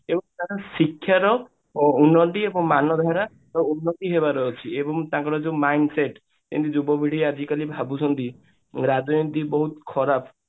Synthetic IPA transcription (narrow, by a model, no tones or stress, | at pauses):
ebɔŋt̪ãɾɔsikʰːjaɾɔ | unːɔʈiebɔŋmanɔd̪ʱaɾa | ɾɔunːɔt̪iɦeβaɾɔɦːt͡ʃʰiebɔŋt̪ãkɔɾɔd͡ʒeũmajnɖseʈ | t̪ḛ̃nt̪id͡ʒubɔbʱiɽ̤iad͡ʒikalibʱabut͡ʃʰɔnt̪i | ɾad͡ʒɔjĩt̪ibɔɦut̪kʰɔɾapʰ